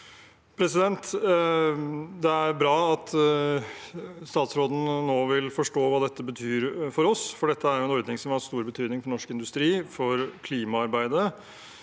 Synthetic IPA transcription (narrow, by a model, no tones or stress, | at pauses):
pʰɾɛsɪd̪ɛnt̪ | d̪ɛæɾbɾɑːɑt̪ | st̪ɑːt̪sɾoːd̪n̩noːʋɪlfɔʂʈoːʋɑːd̪ɛt̪ːəbət̪ʰyːɾfɔɾɔsfɔɖɛt̪ːəæɾjʊɛnɔɾd̪nɪŋsɔmhɑɾst̪uːɾbət̪ʰyːd̪nɪŋfɔɳɔʂkɪnd̪ʉst̪ɾiːfɔɾkʰliːmɑɑɾbæɪd̪ə